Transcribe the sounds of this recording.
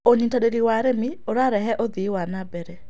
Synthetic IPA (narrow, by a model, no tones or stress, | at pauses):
oɲintaɾeɾiwaɾemioɾaɾɛɦɛʔoðiwanabɛɾɛ